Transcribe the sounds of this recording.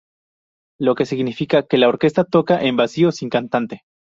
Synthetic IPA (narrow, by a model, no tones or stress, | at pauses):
lo̞ke̞siɣnifikake̞lao̞ɾke̞st̪at̪o̞kaʔe̞mbasio̞siŋkant̪ant̪e̞